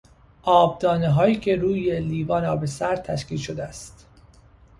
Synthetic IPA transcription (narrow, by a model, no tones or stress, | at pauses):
ʔɒːb̚d̪ɒːneɦɒːjiːcʰe̞ɾuːjeliːvɒːnɒːbesæɾ̚t̪ʰæʃkiːlʃod̪eæst̪